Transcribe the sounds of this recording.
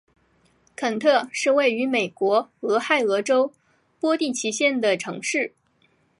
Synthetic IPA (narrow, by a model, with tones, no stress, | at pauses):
kʰə˨˩nt̪ʰɤ˥˧ʂɻ̩˥˧we˥˩ɪy˧˥me˨˩ɪkwɔ˧˥ɤ˧˥xa˥˩ɪɤ˧˥ʈ͡ʂo˥ʊ | pwɔ˥t̪i˥˩t͡ɕʰi˧˥ɕjɛ˥˩nd̪ə˩ʈ͡ʂʰɤ̰˧˥ŋʂɻ̩˥˩